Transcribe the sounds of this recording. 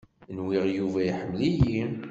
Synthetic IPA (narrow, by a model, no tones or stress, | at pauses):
nwiʁjuvæjħəmːlijim